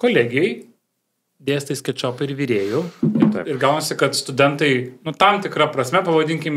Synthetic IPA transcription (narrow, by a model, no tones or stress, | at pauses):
koːlʲæːɡʲɪjɛɪ | d̪ʲeːst̪ɐɪsʲkʲɛt͡ʃʲoːpɐɪɾʋʲiːɾʲeːjɛʊɪt̪ɐɪɪrɡɐʊnːsʲɪkɐt̪st̪ʊd̪ʲɛnt̪ɐɪnʊt̪ɐmt̪ʲɪkɾɐpɾɐsʲmʲɛpɐʋɐd̪ʲɪŋʲkʲɪm